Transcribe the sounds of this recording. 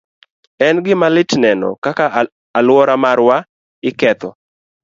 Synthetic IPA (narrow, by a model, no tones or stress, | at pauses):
ɛnɡɪmalɪtnɛnɔ̰kaka | alwɔɾamaɾwa | ɪkɛt̪ɔ